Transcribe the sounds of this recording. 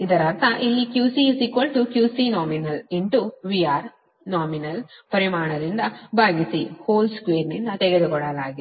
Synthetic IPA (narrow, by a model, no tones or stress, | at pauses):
id̪ɐɾɐɾt̪ʰɐʔilːikjuːsisikʋɐlʈukjuːsinaːminɐliɳʈuʋiaːɾ | naːminɐlpɐɾimaːɳɐd̪ind̪ɐbaːɡisihoːlskʋeːɾnind̪ɐt̪eɡed̪ukɔɽɐlaːɡi